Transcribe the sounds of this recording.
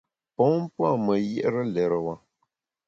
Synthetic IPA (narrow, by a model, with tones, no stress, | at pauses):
pɔ̃˨˦m̩˦pwa˦˨mə˨jɛ̰˦ʔɾə˦lɛ˨ɾə˨wa˨